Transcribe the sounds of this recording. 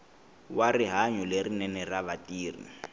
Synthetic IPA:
wariɦaɲɔlerinɛnɛraβatʼiːrḭ

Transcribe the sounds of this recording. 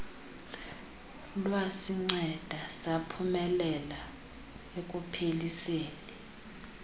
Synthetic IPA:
lwasiŋ͡ǀɛd̥ʱasapʰumɛlɛla | ekʼupʰeliseːni

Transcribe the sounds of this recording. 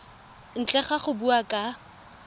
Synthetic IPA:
n̩t͡ɬɛχaχʊbuakʼa

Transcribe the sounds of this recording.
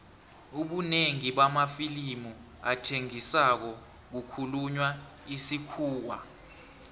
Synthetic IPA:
uɓuneŋiɓamafilimu | atʰeŋisak̬ɔ | k̬ukʰuluɲwa | isikʰuːwa̰

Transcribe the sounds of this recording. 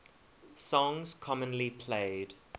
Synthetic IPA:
sɔ̃ŋz̥kʰɔmə̃nlipʰleːd̥

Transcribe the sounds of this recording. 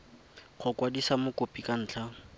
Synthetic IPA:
χʰʊkʼwadisamʊkʊpʼikʼan̩ːt͡ɬʰa

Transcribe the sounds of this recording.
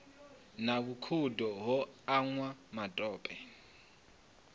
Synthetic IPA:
naβukʰudɔɦɔaŋwamatʼɔːpʼɛ

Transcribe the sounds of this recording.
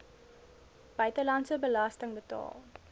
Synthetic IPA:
b̥œɥtəlɐntsəbəlɐstəŋbətɑ̰ːlˠ

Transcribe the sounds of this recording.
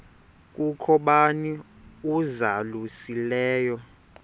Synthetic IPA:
k̬ʼukʰɔɓani | uzalusilɛːjɔ

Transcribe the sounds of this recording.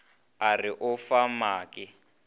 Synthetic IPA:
arɪʔʊfamaːkɪ

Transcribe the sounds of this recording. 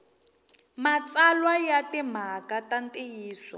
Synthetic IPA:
mat͡salwajatɛm̤akatantʼejiːswa̰

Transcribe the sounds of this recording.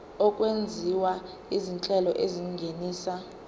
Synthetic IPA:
ɔkʼwend͡zʱiwa | izint͡ɬʼɛlɔʔeziŋɡʱeniːsa

